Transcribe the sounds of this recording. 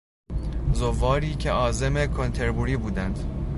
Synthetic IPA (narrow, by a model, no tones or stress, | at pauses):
zovɒːɾiːcʰe̞ʔɒːze̞me̞kʰo̞nt̪ʰe̞ɾbuːɾiːbuːd̪ænd̪̥